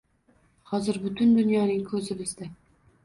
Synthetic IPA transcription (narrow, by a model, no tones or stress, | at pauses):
hɒzɪɾbʊt̪ʰʊnd̪ʊnjɒnɪŋkʰɵzɪbɪzd̪a